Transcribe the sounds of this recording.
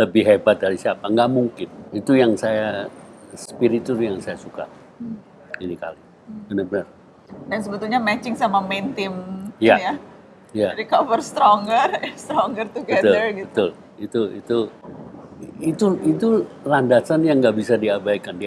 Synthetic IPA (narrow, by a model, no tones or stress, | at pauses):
ləbɪhɦebat̪̚daɾisiapaŋɡaʔmuŋkɪnit̪ujaŋsaja | sə̥piɾit̪ʊrjaŋsajasuka̰ | inika̰li | bənərbənər | dansəbət̪ulɲamɛt͡ʃɪŋsamament̪ɪmjaaja | jaɾikavərst̪ɾɔŋɡərst̪ɾɔŋɡərt̪uɡbəɛt̪ʊəɡbət̪ʊl | it̪uḭt̪u | it̪uit̪ulandasanjaŋɡaʔbisadiabaikandi